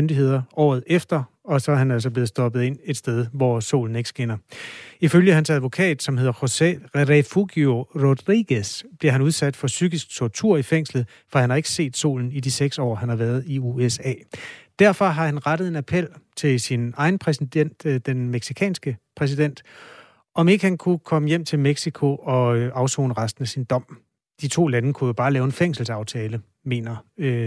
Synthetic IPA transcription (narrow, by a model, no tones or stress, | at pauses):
mønd̥iɦe̝ð̰ˠɐɒ̰ːð̞̩ˠefd̥ɐ | ɒ̽sɒ̽æɐɦænælsɒ̽b̥le̝ð̩ˠsd̥ɒ̽b̥ð̩ˠe̝n̰e̝d̥sd̥eð̞ˠʋɒso̝̰ːln̩e̝ɡ̥sɡ̥enɐiføljəhænsæð̞ˠʋo̝kʰɛ̰ːd̥sɒ̽mhe̝ð̞̰ˠɐoʁefuɡ̥joʁod̥ʁiɡ̥əsb̥liɐhænuð̞ˠsæd̥fɒ̽syɡ̥isɡ̥̚t͡sʰɒt͡sʰuɐ̰ifeŋ̰slð̩ˠ | fɒ̽hænhɑ̈e̝ɡ̥ə̥se̝̰ːd̥so̝̰ːln̩id̥iseɡ̥sɒ̰ːɦænhɑ̈ʋæːɐð̞̩ˠiuesɛ̰ːd̥æɐ̰fɒ̽ɦɑ̈hænʁɑd̥əð̩ˠe̝næpʰel̰t͡sʰe̝lsinɑ̈ɪn̩pʰʁɛsid̥en̰d̥d̥enmeɡ̥sikʰɛ̰ːnsɡ̥əpʰʁɛs̬id̥en̰d̥ | ɒ̽me̝ɡ̥əhænkʰukʰɒ̽məjem̰t͡sʰe̝lmeɡ̥sikʰo̝ʔɒ̽ʔɑ̈ʊso̰ːnəʁɑsd̥n̩æsind̥ɒ̽m̰ | d̥it͡sʰo̝̰ːlænəkʰujo̝b̥ɑ̈ːlɛːʊe̝nfeŋ̰sl̩sɑ̈ʊt͡sʰɛːlə | me̝̰ːnɐø